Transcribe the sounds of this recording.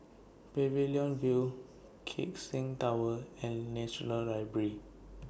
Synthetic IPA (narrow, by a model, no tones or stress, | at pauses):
pɛviliɔ̃nvil | kʰḛk̚sĩŋtawəɛ̃nːɛʃɔnəlɹaɪbəɹi